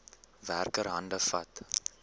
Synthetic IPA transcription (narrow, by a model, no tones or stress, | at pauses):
værkəɾɦɐndəfɐ̰t